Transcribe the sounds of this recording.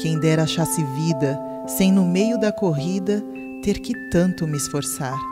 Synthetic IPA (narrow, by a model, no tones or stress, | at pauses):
kẽj̃d̪ɛɾɐʃasɪvid̪ɐ | sẽj̃nʊmejʊd̪ɐkoɦid̪ɐ | t̪eɾkɪt̪ɐ̃nt̪ʊmɪːsfoɾsaɾ